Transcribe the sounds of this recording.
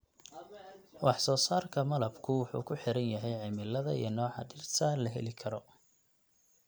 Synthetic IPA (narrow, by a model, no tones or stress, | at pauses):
wɑħsɔːsaːrkʰɐmɐlɐbkʰʊwʊħṵːkʰʊħɪɾɐnjɐɦɛjʕɪmɪlːɐðɐḭjɐnɔːʕɑ̰dɪrt̪ʰɐlɐɦɛ̰lɪkʰɐɾɔ